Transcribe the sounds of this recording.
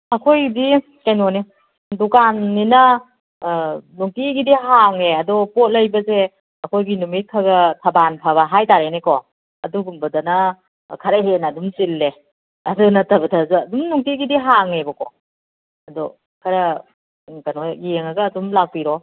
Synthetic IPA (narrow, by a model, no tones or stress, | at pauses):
ɐkʰojdi | kajnone | dukanːinɐ | nuŋtiɡidiɦaŋeɐdɔpot̚lɐjbɐze | ɐkʰojɡinumit̚kʰaɡɐtʰɐbanpʰaβaɦajtaɾenekɔ | ɐduɡumbɐdanɐ | kʰaɾeɦenadumsilːe | ɐdunɐtʰɐbɐtʰɐzɯɐdumnuŋtiɡidiɦaŋebɐkɔ | ɐdɔ | kʰɐɾɐ | kanojeŋaɡɐːdumlak̚piɾɔ